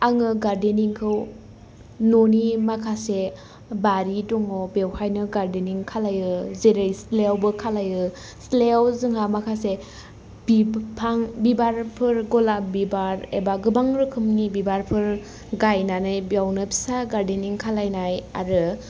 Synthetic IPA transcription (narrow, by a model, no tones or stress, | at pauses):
aŋɯɡaɾdeniŋkʰɯw | nonimakʰase | baɾidɔŋɔbewhajnɯɡaɾdeniŋkʰalajɯzeɾɯjslewbɯkʰalajɯ | slewzɯŋamakʰase | biaŋbibaɾpʰɯɾɡɔlabibaɾebaɡɯbaŋɾɯkʰɯmnibibaɾpʰɯɾ | ɡajnanɯjbjawnɯpʰi̥saɡaɾdeniŋkʰalajnaja̰ɾɯ